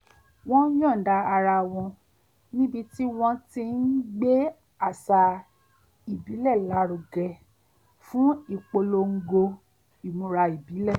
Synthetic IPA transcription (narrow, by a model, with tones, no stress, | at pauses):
w̃ɔ̃˦jɔ̃˦˨da˧a˧ɾa˧w̃ɔ̃˧ | nĩ˦bi˧ti˦w̃ɔ̃˧ti˧n̩˦ɡ͡be˦ | a˦˨sa˧ | i˨bi˨˦lɛ˦˨la˨˦ɾo˧ɡɛ˧ | fũ˦i˦˨k͡po˧lo˧ŋ̩˧ɡo˧ | i˨mũ˧ɾa˧i˨bi˨˦lɛ˦˨